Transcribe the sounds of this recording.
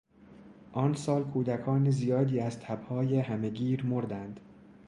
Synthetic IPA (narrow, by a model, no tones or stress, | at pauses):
ʔɒːnsɒːlkʰuːd̪ækʰɒːnezijɒːd̪iːæzt̪ʰæbhɒːjehæme̞ɡiːɾmoɾd̪ænd̪̥